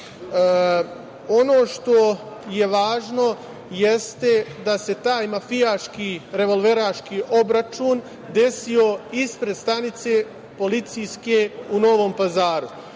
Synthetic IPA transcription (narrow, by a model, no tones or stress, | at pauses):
onoːʃt̪o | je̞ʋaːʒno̞ | jest̪ed̪ase̞t̪aːjmafijaːʃkiɾe̞ʋo̞lˠʋe̞ɾaːʃkiːʔo̞bɾat͡ʃuːn | d̪e̞sio̞ispɾed̪st̪anit̪se̞ | po̞lit̪sijske̞uno̞ʋo̞ːmpazaːɾu